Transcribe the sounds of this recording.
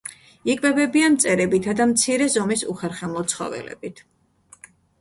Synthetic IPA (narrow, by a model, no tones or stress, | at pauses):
ikʼvɛbɛbianmt̪sʼɛɾɛbit̪ʰad̪amt̪sʰiɾɛzɔmisṵχɛɾχɛmlˠɔt̪sʰχɔ̰vɛ̰lɛ̰bit̪ʰ